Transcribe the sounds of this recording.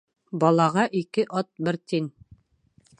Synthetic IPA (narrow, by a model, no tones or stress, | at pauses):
bɒlˠɑʁɑʔikɘʔɒt̪̚bɘɾt̪in